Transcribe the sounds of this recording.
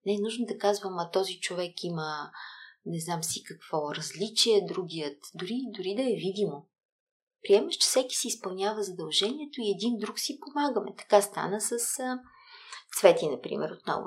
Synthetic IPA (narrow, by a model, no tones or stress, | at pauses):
nɛɛnuʒnod̪ɐkazvəmɐt̪ɔzit͡ʃovɛkimə | nɛznamsikɐkv̥ɔɾɐzlit͡ʃiɛd̪ɾuɡʲijət̪d̪ʊɾid̪ʊɾid̪ɐɛvid̪imo | pɾiɛməʃt͡ʃɛ̥fsɛki̥sɛispɐlˠnʲavəzɐd̪ɐlˠʒɛniɛt̪oiɛd̪ind̪ɾuksipomaɡəmɛ̰t̪ɐ̥kast̪a̰nəsəsə | t̪svɛt̪inɐpɾḭmɛ̰ɾot̪̚nɔ̰vo̰